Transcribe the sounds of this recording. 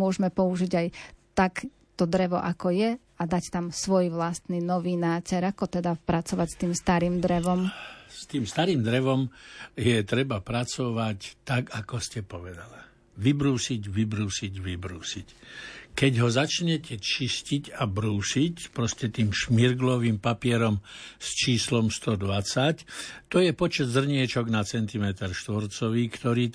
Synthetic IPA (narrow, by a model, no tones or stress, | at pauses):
mʊɔʒmɛpɔuʒiɟajt̪ak | t̪ɔd̪ɾɛʋɔʔakɔjɛ | ad̪act̪amsʋɔjʋlast̪ninɔʋinaːcɛɾakɔt̪ɛd̪apɾat͡sɔʋacst̪iːmst̪aɾiːmd̪ɾɛʋɔmst̪iːmst̪aɾiːmd̪ɾɛʋɔmjɛt̪ɾɛbapɾat͡sɔʋact̪akakɔscɛpɔʋɛd̪ala | ʋibɾuːsiɟʋibɾuːsiɟʋibɾuːsickɛɟɦɔzat͡ʃɲɛcʰɛt͡ʃiscicabɾuːsicpɾɔscɛt̪iːmʃmiɾɡlɔʋiːmpapɪɛɾɔmst͡ʃiːslɔmst̪ɔd̪ʋat͡sact̪ɔjɛpɔt͡ʃɛd̪zr̩ɲɪɛt͡ʃɔɡnat͡sɛnt̪imɛt̪ɛɾʃt̪ʋɔɾt͡sɔʋiːkt̪ɔɾiː